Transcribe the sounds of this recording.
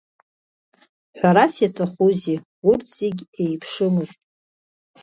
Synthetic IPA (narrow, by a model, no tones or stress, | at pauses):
ħᶣʷaɾasjatʰaχuzi | urtʰz̥eɡʲejpʰʂɨmɨztʼ